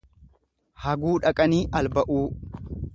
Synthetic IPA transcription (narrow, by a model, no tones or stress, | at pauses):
hɐɡuːᶑɐkʼɐniːʔɐlbɐʔuː